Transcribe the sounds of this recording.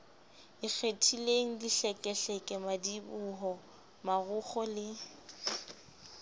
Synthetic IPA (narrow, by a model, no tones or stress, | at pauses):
ɪk͡xʰetʰileŋ̩diɬɛkʼɛɬɛkʼɛmadibʊɦɔ | maɣʊχɔlɪ